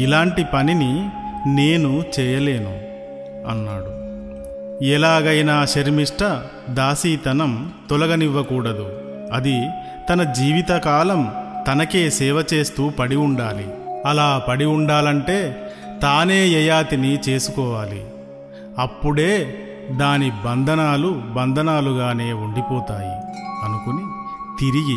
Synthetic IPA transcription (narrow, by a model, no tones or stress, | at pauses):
ilaːɳʈipɐninine̞ːnut͡ʃɛːjɐle̞ːnu | ɐ̰nːaːɽu | ɛlaːɡɐjnaːʃɐɾmiʂʈɐ | d̪aːsiːt̪ɐnɐmt̪ɔlɐɡɐniʋːɐkuːɽɐd̪u | ɐd̪i | t̪ɐnɐd͡ʒiːʋit̪ɐkaːlɐmt̪ɐnɐke̞ːsɛːʋɐt͡ʃe̞ːst̪uːpɐɽiuɳɖaːlḭɐlaːpɐɽiuɳɖaːlɐɳʈe̞ː | t̪aːne̞ːɛjaːt̪init͡ʃe̞ːsukɔːʋaːlḭ | ɐpːuɽe̞ː | d̪aːnibɐnd̪ʱɐnaːlubɐnd̪ʱɐnaːluɡaːne̞ːuɳɖipɔːt̪aːjḭɐnukuni | t̪iɾiɡi